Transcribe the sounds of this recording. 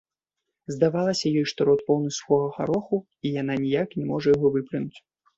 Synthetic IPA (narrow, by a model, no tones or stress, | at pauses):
zd̪avalˠɐsʲɐjɔjʂt̪ɔɾɔt̪̚pɔwnɨsuxɔɣɐxa̰ɾɔxu | ijananʲijaknʲɛmɔʐɐjaɣɔvɨplʲinut͡sʲ